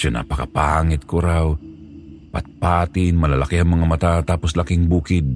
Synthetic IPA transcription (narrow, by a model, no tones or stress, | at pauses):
ʃona̰pɐkapaaŋɪt̪̚koɾaw | pɐ̰t̪̚paːt̪ɪnmɐlɐlakɪhɐŋmɐŋamɐt̪at̪aːposlakɪŋbuːkɪd̪̚